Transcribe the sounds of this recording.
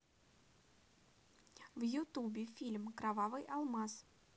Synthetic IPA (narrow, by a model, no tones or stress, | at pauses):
vjʊt̪ubʲɪfʲilʲmkɾavavɨjʔɐlˠmas